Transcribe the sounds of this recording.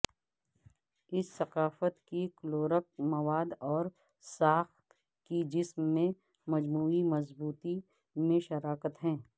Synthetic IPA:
ɪsːɐqaːfət̪kikloːɾək̚mɐʋaːd̪ɔːɾ | saːxt̪ | kid͡ʒɪsmːẽ | mɐd͡ʒmuːimɐzbuːt̪i | mẽʃɐɾaːkət̪ɦɛ̃ː

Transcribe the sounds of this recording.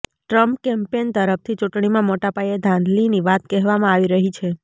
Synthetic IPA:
ʈɾəmpkɛmpent̪əɾəft̪ʰit͡ʃuʈɳimãmoʈapajed̪ʱãnd̪liniʋat̪kɛɦʋamãaʋiɾəɦit͡ʃʰe

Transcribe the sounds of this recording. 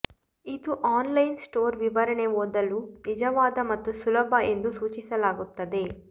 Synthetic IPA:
it̪uʔaːnlɐjnsʈoːɾʋiʋɐɾɐneʋoːd̪ɐlunid͡ʒɐʋaːd̪ɐmɐt̪ːusulɐbʱɐʔe̞nd̪usuːt͡ʃisɐlaːɡut̪ːɐd̪e

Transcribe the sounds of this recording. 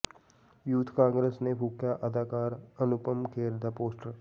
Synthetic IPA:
juːt̪ʰkãːŋɡɾeːsnebʱuːkjaʔɐd̪ʱaːkaːɾɐnʊpəmkʰeːɾd̪ʱapoːsʈəɾ

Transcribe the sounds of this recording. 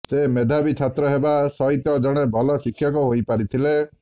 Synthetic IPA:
semed̪ʱabit͡ʃʰat̪ɾɔɦebasɔɦit̪ɔd͡ʒɔɽ̃ebʱɔlɔsikʰːjɔkɔɦojpaɾit̪ʰile

